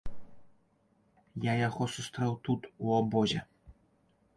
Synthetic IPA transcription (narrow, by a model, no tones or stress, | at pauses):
jajaɣɔsust̪ɾɛwt̪ut̪uɔbɔzʲɛ